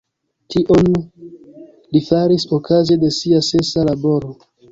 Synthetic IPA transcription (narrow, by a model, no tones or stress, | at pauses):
tʰiʔon | lifaɾisokʰaze̞de̞siase̞salabo̞ɾo